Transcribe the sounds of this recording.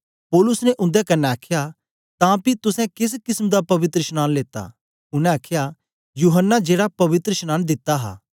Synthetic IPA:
pɔːlʊsnɛʔʊ̃nd̪ɛkɐnːɛaːkʰja | t̪ãpit̪ʊsɛ̃kɪs̬kɪsmd̪apɐʋɪt̪ɾəʃnaːnleːt̪a̰ | ʊnɛ̃aːkʰja | juːɦənːad͡ʒeːɽapɐʋɪt̪ɾəʃnaːnd̪ɪt̪ːaɦa̰ː

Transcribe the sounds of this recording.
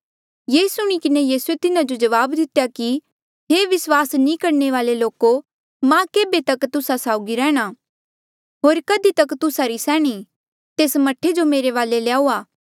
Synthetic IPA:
jeːsʊɽ̃ikɪnejiːsuet̪ɪnad͡ʒod͡ʒɐʋaːbd̪ɪt̪jaki | ɦeːʋɪswaːsnĩkɐɾneʋaːleloːko | mãkeːbet̪ɐkt̪ʊsasaːʊɡiɾɛ̃ːɽ̃a | ɦoːɾkɐd̪it̪ɐkt̪ʊsaɾisɛːɽ̃i | t̪eːsmɐʈʰed͡ʒomeːɾeʋaːleleaːuaː

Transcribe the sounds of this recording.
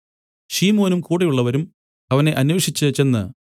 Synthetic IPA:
ʂiːmo̞ːnumkuːɽɐjuɭːɐʋɐɾum | ɐʋɐne̞ʔɐnweːʂit͡ɕːɨt͡ɕe̞nːɨ̰

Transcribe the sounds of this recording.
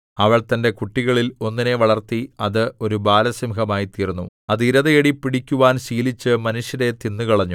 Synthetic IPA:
ɐʋɐɭt̪ɐnde̞kuʈːiɣɐɭilo̞nːine̞ʋɐɭɐrt̪iɐðɨo̞ɾubaːlɐsimhɐmaːjit̪iːrunːu | ɐðiɾɐðɐjeɽipːiɽikʲːuʋaːnɕiːlit͡ɕːɨmɐnuʂjɐɾe̞t̪inːukɐɭɐɲːu

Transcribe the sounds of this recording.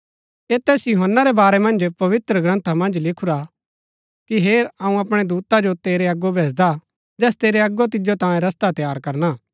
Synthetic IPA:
eːt̪ɛːsjʊɦənːaɾɛbaːɾɛmɐ̃nd͡ʒpɐʋɪt̪ɾəɡɾɐ̃nt̪ʰamɐ̃nd͡ʒlɪkʰuɾa | kiɦeːɾɐũɐpɽ̃ed̪uːt̪ad͡ʒot̪eːɾeɐɡːobʱeːsd̪a | d͡ʒɛːst̪eːɾeɐɡːot̪̬ɪd͡ʒot̪ãːẽɾɐst̪at̪jaːɾkɐɾnaː

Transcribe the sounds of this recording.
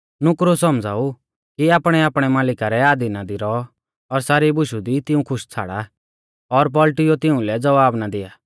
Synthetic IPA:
nʊkɾosɔmd͡za̰ːu | kiaːpɽ̃ɛaːpɽ̃ɛmaːlɪkaɾɛaːd̪inad̪iɾɔ | ɔɾsaːɾibʊʃud̪it̪ɪũkʰʊʃt͡sʰa̰ːɽa | ɔɾp̬ɔlʈɪjot̪ɪũlɛd͡zɐʋaːbnad̪ɪaː

